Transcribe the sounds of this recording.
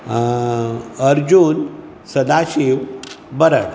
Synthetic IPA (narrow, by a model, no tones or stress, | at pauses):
əɾd͡ʑun | səd̪aɕiʋbəɾəɽ